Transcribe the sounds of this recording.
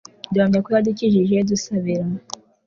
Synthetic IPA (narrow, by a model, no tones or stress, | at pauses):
duhamɲakujadiciʒiʒedusaβiɾa